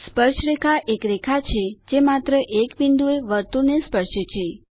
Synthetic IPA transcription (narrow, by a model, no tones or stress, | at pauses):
spəɾʃɾekʰaʔekɾekʰat͡ʃʰed͡ʒemat̪ɾəʔekbind̪ueʋəɾt̪unespəɾʃet͡ʃʰe